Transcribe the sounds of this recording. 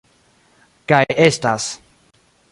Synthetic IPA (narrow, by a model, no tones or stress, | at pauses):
kajest̪as